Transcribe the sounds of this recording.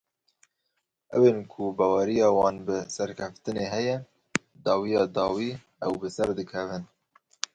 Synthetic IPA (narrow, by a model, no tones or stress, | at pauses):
ʔɛweːnkʰʊbɑːwɛɾijɑːwɑːnbɨsɛɾkʰɛft̪ɨneːɦɛjɛ | d̪ɑːwijɑːd̪ɑːwiː | ɛwbɨsɛɾd̪ɨkʰɛvɨn